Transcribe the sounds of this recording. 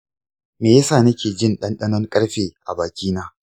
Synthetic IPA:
meː˨jɐ˦saː˦˨nɐ˦kʲeː˨d͡ʒɪ˦nɗɐ˦nɗɐ˦nɔ˦ŋkʼɐ˦ɽɸeː˨ʔa˨baː˨kʲiː˦naː˦

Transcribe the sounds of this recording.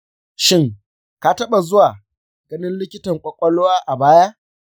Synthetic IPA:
ʃɪ˦ŋ | ka˨tɐ˦ɓa˨zʊ˦waː˨ | ɡɐ˦nɪ˦nlɪ˦kʲɪ˦tɐ˨ŋkʷʼɔ˨kʷʼɐ˦loː˦waː˦ʔa˨baː˦ja˦

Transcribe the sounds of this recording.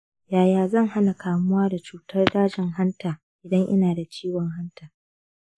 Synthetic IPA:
jaː˨jaː˨zɐ˦˨ŋha˦na˨kaː˨mʊ˦waː˦da˨t͡ʃuː˨tɐ˦rdaː˦d͡ʒɪ˨ŋɦa˦ntaː˨ | ʔɪ˨dɐ˦ŋʔɪ̰˦naː˨da˨t͡ʃiː˦wɔ˨ŋɦa˦ntaː˨

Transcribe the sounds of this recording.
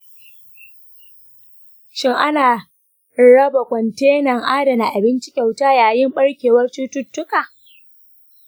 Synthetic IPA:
ʃɪ˦ŋʔa˦naː˨ | ɽɐ˦ba˨kʷɔ˨nteː˦nɐ˨ŋʔaː˦dɐ˨na˨ʔa˨bɪ˦nt͡ʃɪ˦kʲa˨wtaː˦jaː˨jɪ˦mɓɐ˦ɽkʲeː˨wɐ˦rt͡ʃʊ˦tʊ˦tːʊ˦kaː˨

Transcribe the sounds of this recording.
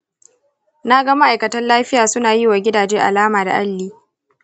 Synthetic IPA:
naː˦ɡa˦ma˦ʔa˨jkɐ˨tɐ˦nlaː˦ɸɪ˦jaː˨sʊ˦naː˨jiː˦waː˨ɡʲɪ˦daː˨d͡ʒeː˦ʔa̰˨laː˦maː˨da̰˨ʔa˦lːiː˦

